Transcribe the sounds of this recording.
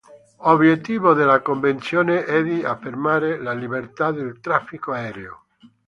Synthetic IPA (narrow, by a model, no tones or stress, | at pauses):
oβjet̪ːiːβoðelakoɱvent̪sjoːneʔɛðiafːermaːɾelaliβert̪ad̪elt̪ɾafːikoaɛːɾeo̰